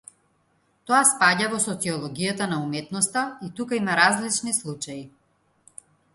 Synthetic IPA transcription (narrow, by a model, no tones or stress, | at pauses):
t̪ɔaspaɟavɔsɔt̪siɔlˠɔɡijat̪anaumɛt̪nɔst̪ait̪ukaimaɾazlit͡ʃnislˠut͡ʃaji